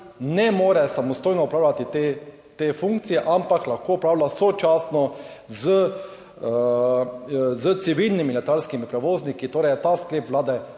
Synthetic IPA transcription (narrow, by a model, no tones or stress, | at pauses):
nɛmoːɾɛsamɔst̪oːjnɔɔpɾaːwlʲat̪it̪e | t̪eːfuŋk̚t̪sijɛʔampaklaxkoːɔpɾaːwlasɔt͡ʃaːsnɔzə | zət̪siʋilnimilɛt̪aːlskimipɾɛʋoːznikit̪oːɾɛjɛt̪askleːpʋlaːd̪ɛ